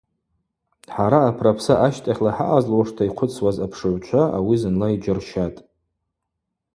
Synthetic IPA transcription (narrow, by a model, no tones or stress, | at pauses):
ħaɾaːpʰrapʰsaʔaʃtʼaχʲlaħa̰ʔazlwaʂtʰaiqʷʰʊt͡sʰwazapʰʂɨʕʷt͡ʃʷʰaʔa̰wizɨnlaid͡ʒɪrʃatʼ